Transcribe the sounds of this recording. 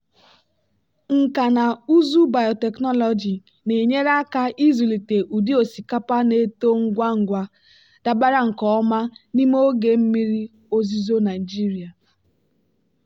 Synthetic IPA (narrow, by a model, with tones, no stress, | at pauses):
ŋ̩˨ka˨na˨u˦zu˦ba˨jɔ˨te˨knɔ˦lɔ˨d͡ʒi˨ | ne˨ɲe˦ɾa˦ka˦ʔi˦zu˨li˨te˨ʔu˨di˦o˨si˨ka˦pa˦ne˦to˦ŋ̩˦ɡʷa˦ŋ̩˨ɡʷa˦ | d̥a˦ba˦ɾa˦ŋ̩˨kɔ˨˦ɔ˦ma˦ni˦m˦o˦ɡe˨m̩˦mi˦ɾi˦ | o˦zi˦zo˦na˨i˨d͡ʒi˦ɾi˨a˨